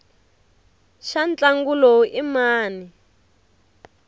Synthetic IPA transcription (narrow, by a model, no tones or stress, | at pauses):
ʃant͡ɬaŋɡulɔimaːni